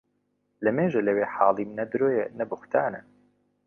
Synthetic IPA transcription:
lɐmeːʒɐlɐweːħɑːlˠimnɐd̪ɨɾoːjenɐbɨxt̪ʰaːnɛ

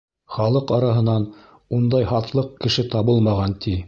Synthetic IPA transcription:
χɑlˠɤqɑɾɑɦɤ̆nɑn | und̪ɑjhɑt̪lˠɤq̚kɘ̆ʃɘt̪ɑβɤlˠmɑʁɑnt̪ʰi

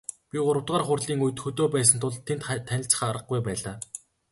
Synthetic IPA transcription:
pʲiɢʊɾə̆wt̪̚ʁaːrχʊrɮiːŋuj̆t̪xɵt̪oːpæːs̬ə̆nt̪ʰʊɮt̪ʰːent̪t̪ʰːænʲɪ̆ɬt͡sə̥̆χaɾə̆q̚ɡujpæːɮaː

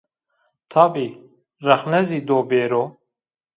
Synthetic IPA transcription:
t̪ʰɑbi | rɐxnɛzid̪oːbeːɾo

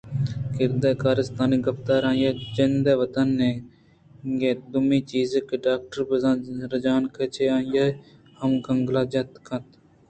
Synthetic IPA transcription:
kɪɾd̪eːkaːɾəst̪aːniːɡəft̪aːɾãːjaːd͡ʒɪnd̪eːʋət̪ənːẽː | ɡeːd̪ʊmiːt͡ʃiːzəkːɖaːk̚ʈəɾbəzãːɾəd͡ʒaːnkʰət͡ʃʰeːaːjaː | həmkəŋɡlaːd͡ʒɐt̪kʰə̃t̪

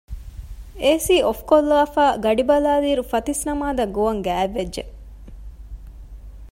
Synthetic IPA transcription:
eːsiːofkolːaːfaːɡɐɖibɐlaːliːɾufɐt̪isnɐmaːd̪ɐɡoʋɐŋɡæːʋːed͡ʒʒḛ

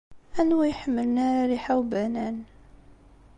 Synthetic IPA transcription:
ænwæjħəmːəlnaɾaɾiħawbænæn

